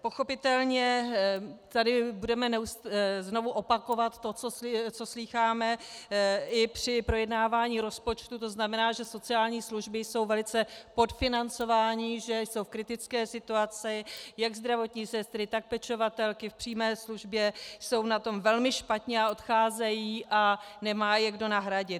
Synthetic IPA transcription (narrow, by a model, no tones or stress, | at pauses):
po̞xo̞pɪt̪ɛlɲɛ | t̪adɪbudɛmɛnɛuszno̞vuʔo̞pako̞vat̪ːot͡sot͡so̞sliːxaːmɛ | ɪpr̝̥ɪpɾo̞jɛdnaːvaːɲiːɾo̞spo̞t͡ʃt̪ut̪o̞znamɛnaːʒɛso̞t͡sɪaːlɲiːsluʒbɪjso̞wvɛlɪt͡sɛpo̞tfɪnant͡so̞vaːɲɪʒɛjso̞wfkɾɪt̪ɪt͡skɛːsɪt̪uat͡sɪjaɡzd̪ɾavo̞t̪ɲiːsɛst̪ɾɪt̪ak̚pɛt͡ʃo̞vat̪ɛlkɪfpr̝̥iːmɛːsluʒbjɛso̞wnat̪o̞mvɛlmɪʃpat̪ɲɛao̞t̪xaːzɛjiːʔanɛmaːjɛɡdo̞naɦɾaɟɪt̪